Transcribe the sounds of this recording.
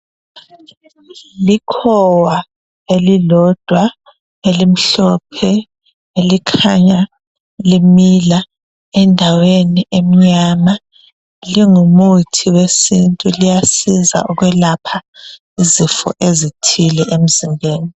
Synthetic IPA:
likʰɔwa | elilɔd̥ʱwa | elim̩ɬɔpʰɛ | elikʰaɲa | limila | ɛndʱaweniʔem̩ɲama | liŋumutʰiwesintʼulijasiza̰ʔuɣwɛlapʰa | izifɔ̰ʔezitʰilɛʔem̩zimbʱeːni

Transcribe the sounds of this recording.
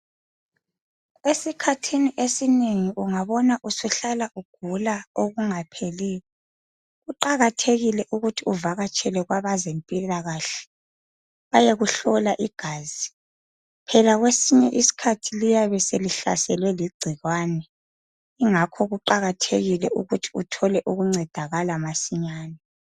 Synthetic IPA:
esikʰatʰiniʔesineŋiʔuŋaβɔnaʔusuɬalaʔuɡ̥ʱulaoɣuŋapʰeliːlɔ | ɣuǃaɣatʰeɣilɛʔuɣutʰiuvaɣat͡ʃʼʰɛlɛɣwaβazempʼilaɣaɬɛ̥ | βajeɣuɬɔlaʔiɡ̥ʱaːzi | pʰɛlaɣwesiɲɛʔisi̥kʰatʰilijaβɛseliɬa̰sɛlwɛliɡ͡ǀʱiɣwanɛ | iŋakʰɔɣuǃaɣatʰeɣilɛʔuɣutʰi̥utʰɔlɛʔuɣuŋ͡ǀɛd̥ʱaɣalamasiɲaːnɛ

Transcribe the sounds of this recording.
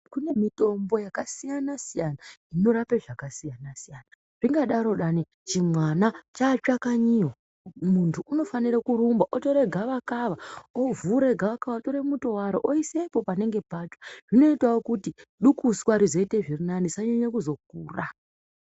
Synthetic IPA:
kune̞mito̞mbo̞jakasijanasijanaino̞ɾape̞ʐakasijanasijana | ʐ̥iŋɡaɗaɾo̞ɗani | t͡ʃimwanat͡ʃaːt͡ʃakaɲiɦo | muntʰuːno̞faniɾakuɾumbaʔoto̞ɾe̞ɡʱaʋakaʋaovuɾe̞ɡʱaʋakaʋatoɾemuto̞waɾoʔoisepo̞pane̞ŋɡe̞pat͡ʃḁʐino̞itwawokutiɗukuswaɾizo̞ite̞ʐirinanisaɲeɲekuzo̞k̚uːra

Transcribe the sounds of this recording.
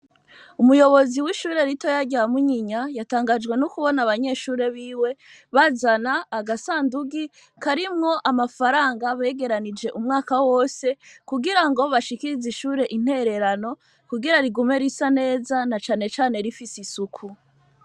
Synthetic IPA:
umujo̞βo̞ziwiʃuːɾe̞ɾito̞jaɟamuɲiɲajataːŋɡad͡ʒɡwe̞nukuβo̞naβaɲe̞ʃuːɾe̞βiːwe̞ | βazanaːɡasaːnduɡi | kaɾimŋo̞ʔamafaɾaːŋɡaβe̞ɡe̞ɾanid͡ʒe̞ʔumŋaːkawo̞ːse̞kuɡiɾaŋɡo̞βaʃikiɾiziʃuːɾe̞ʔin̥he̞ɾe̞ɾano̞ | kuɡiɾaɾiɡume̞ɾisane̞ːzanat͡ʃaːne̞t͡ʃaːne̞ɾifisisukʰu

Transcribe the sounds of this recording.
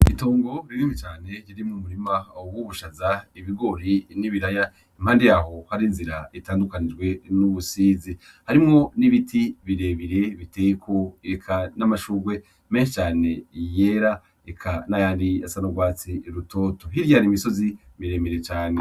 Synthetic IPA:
itoːŋɡo̞ɾiimet͡ʃaːne̞ɾiɾimumuɾimaobɡuβuʃazaiβiɡo̞ɾiniβiɾaja | imhaːndejaho̞haɾinziɾaitaːndukanid͡ʒɡwe̞nuβusizi | haɾimŋo̞niβitʰiβiɾe̞βiɾe̞βite̞jekʰo̞ekʰanamaʃuːɡwe̞ | me̞ːnʃet͡ʃaːne̞je̞ɾa | ekʰanajaːndiasanoɡwaːt͡siɾuto̞ːto̞ɦiɾjaɾimiso̞zi | miɾe̞ːmeɾe̞t͡ʃaːne̞

